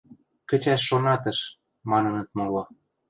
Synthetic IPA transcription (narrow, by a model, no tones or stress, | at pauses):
kə̆t͡ɕæʃːonɑt̪ɤ̆ʃ | mɑnɤ̆nɤ̆t̪̚molo